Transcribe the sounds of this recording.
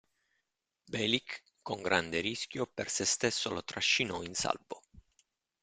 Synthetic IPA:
bɛlikː | oŋɡɾʔand̪eɾiskʲjopersest̪esːolot̪ɾaʃːinɔinsa̰lbo

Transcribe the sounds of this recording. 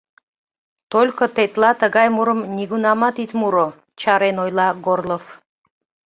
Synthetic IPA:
t̪olʲkot̪et̪lɑt̪əɣɑjmuɾəmnʲiɣunɑmɑt̪it̪muɾo | t͡ɕɑɾenojlɑɡorlˠof

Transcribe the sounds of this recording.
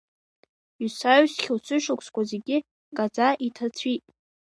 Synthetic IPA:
ɥsaɥsχʲlt͡sʷʰɨʃʊkʷʰʼskʷʰʼazeɡʲɪ | kʼad͡zʼaʔitʰat͡sʷʰitʼ

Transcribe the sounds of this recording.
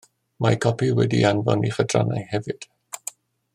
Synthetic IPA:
makʰɔpʰiwɛdianvɔ̰niχədra̰najhɛvɨd̥

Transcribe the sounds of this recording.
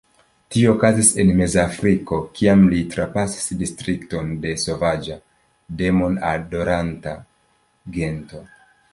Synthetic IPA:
tiookazise̞nme̞zafɾiko̞kʰiamlitɾapasi̥sdistɾikto̞nde̞so̞vad͡ʒa | de̞mo̞nado̞ɾanta̰ | ɡe̞nto̞

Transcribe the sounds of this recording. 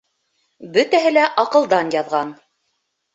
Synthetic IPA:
bɵ̆t̪æɦɘlæʔɑqɤ̆lˠd̪ɑnjɑðʁɑn

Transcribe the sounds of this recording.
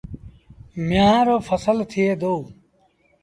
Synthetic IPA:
mjãːɾoːpʰəsəlt̪ʰijeːd̪ou

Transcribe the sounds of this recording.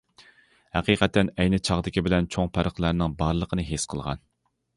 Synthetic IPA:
hæqiqʰɛt̪ːɛnɛjnɪt͡ʃʰɑʁd̪ɪkʲʰibɪlɛnt͡ʃʰoŋpʰæɾəχlˠæɾnɪŋbɑɾlˠəqʰənɨɦesqʰəlˠʁɑ̰n

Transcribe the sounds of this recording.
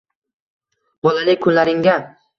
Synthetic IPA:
b̥ɒlalɪkʰʊnlaɾɪŋɡʲa

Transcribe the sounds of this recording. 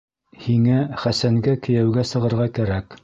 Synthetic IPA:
hiŋæχæsæŋɡækɘ̆jæwɡæsɤ̆ʁɤ̆ɾʁɑkæɾæk

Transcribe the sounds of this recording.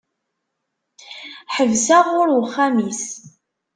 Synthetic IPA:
ħəvsaʁʊɾwəχːamis

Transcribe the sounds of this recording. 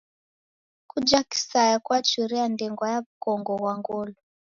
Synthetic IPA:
kud͡ʒaki̥sajakwat͡ʃuɾɛandɛŋɡwajaβukɔŋɡɔβwaŋɡɔlɔ

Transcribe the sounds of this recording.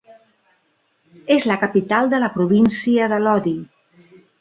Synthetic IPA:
ezləkəpit̪alˠd̪ələpɾuβ̞insiəðəlɔði

